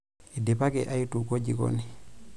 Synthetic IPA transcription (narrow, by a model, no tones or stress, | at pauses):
idepakɛʔajitukod͡ʒiko̰ni